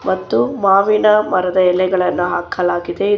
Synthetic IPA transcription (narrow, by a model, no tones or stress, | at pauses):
mɐt̪ːumaːʋinɐmɐɾɐd̪ɐɛlɛɡɐɭɐnːuɦaːkʰɐlaːɡid̪e̞i